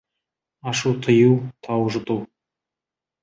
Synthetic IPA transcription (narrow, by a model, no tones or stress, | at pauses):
ɑʃuwt̪ʰəjuwt̪ʰɑwʒət̪uw